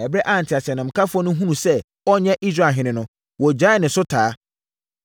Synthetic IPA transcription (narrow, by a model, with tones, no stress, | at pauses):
ɛ˨bɾɛ˦ʔa˦˨n̩˨tʰɪ˨a˨sɪ˨ɛ˨nã˨m̩˨kʰa˦fʊ˦ɔ˦nʊ̃˦ɦũ˦nũ˨sɛ˦ | ɔ˦ɲɛ̃˦ʔi˦s̬ɾa˨ɦɪ̃˨˦nɪ̃˨nʊ̃˦ | wɔ˨d͡ʑa˦˨nɪ̃˨sʊ˦tʰaː˨˦